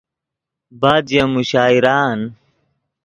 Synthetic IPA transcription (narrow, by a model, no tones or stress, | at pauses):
baːd͡ʑjɐmuɕaːiɾaːn